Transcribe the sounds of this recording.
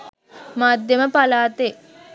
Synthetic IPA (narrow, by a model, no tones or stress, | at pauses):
maːd̪jeməpalaːt̪e